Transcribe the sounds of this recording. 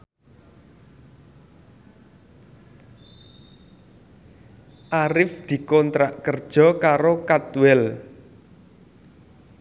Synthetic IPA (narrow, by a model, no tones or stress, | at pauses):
ʔaɾɪfd̪̥i̤kɔnt̪ɾaʔkərd̥ʒ̥ɔ̤kaɾokat̪uwɛl